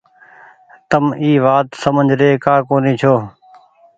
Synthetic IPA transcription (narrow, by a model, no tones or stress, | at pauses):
t̪əmiːʋaːt̪səməd͡ʒɾeːkaːkoːniːt͡ʃʰoː